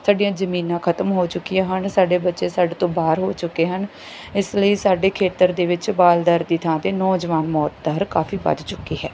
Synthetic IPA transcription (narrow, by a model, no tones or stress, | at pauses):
saːɖijãːzəmiːnãːkʰət̪əmɦoːt͡ʃʊkːijãːɦənsaːɖeːbətːʃeːsaːɖeːt̪õːbaːɾɦoːt͡ʃʊkːeːɦən | ɪsləiːsaːɖeːkʰeːt̪əɾd̪eːʋɪt͡ʃbaːld̪əɾd̪iːt̪ʰãːt̪eːnɔːd͡ʒʋaːnmɔːt̪̚d̪əɾkaːfʰiːbə̰d̪t͡ʃʊkːiːɦɛː